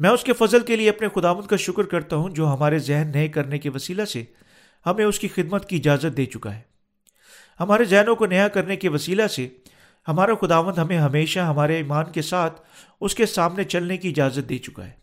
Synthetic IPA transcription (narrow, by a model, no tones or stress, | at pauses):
mɛ̃ːʊskefɐzəlkelieɐpnexʊd̪aːʋə̃nd̪kaʃʊkɾkɐɾt̪aɦũd͡ʒoːɦɐmaːɾezɛɦnːɐekɐɾnekeʋɐsiːlase | hɐmẽʊskixɪd̪mət̪kiɪd͡ʒaːzət̪̚d̪eːt͡ʃʊka̰ɦɛː | hɐmaːɾezɛɦnõkonɐjakɐɾnekeʋɐsiːlase | hɐmaːɾaxʊd̪aːʋə̃nd̪ɦɐmẽɦɐmeːʃaɦɐmaːɾeiːmaːnkesaːt̪ʰ | ʊskesaːmnet͡ʃɐlnekiɪd͡ʒaːzət̪̚d̪eːt͡ʃʊka̰ɦɛː